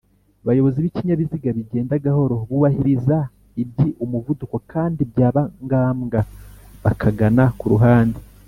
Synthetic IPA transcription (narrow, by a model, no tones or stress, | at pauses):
βajo̞βo̞ziβiciɲaβiziɡaβiɟe̞ːndaɡaho̞ɾo̞βuβahiɾiza | ib̚ɟiʔumuvuduko̞kʰaːndibjaːβaŋɡaːmɡaβakʰaɡanakuɾuɦaːndi